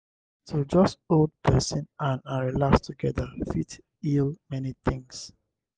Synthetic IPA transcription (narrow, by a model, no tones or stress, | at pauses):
tʰud͡ʒʌstold̚pʰɛsɔ̃nãnaɹilakstʰuɡɛðəfit | ilmɛniθɪ̃ŋs